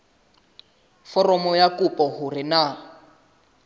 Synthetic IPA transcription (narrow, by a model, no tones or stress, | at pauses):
fɔrɔmɔjakupʼɔɦʊrɪna